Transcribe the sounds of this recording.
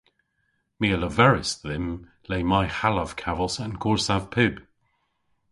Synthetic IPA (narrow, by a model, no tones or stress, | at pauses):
miələvɛɹɪsðɪm | leɪmaɪhaləv̥kʰavəlˠsə̃nkʰɔɹsav̥pʰʉb̥